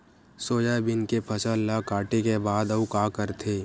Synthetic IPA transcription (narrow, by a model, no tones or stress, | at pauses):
soːd͡ʒabɪnkepʰɐsəlːakaːʈekebaːd̪ɐukaːkəɾt̪ʰeː